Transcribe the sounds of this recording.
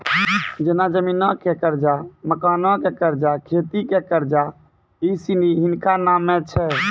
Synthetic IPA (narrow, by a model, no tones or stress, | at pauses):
d͡ʒenad͡ʒəmiːnãkekəɾd͡ʒaməkaːnɔ̃kekəɾd͡ʒakʰeːt̪ikekəɾd͡ʒa | isiniɦɪnkanaːmːẽt͡ʃʰɛ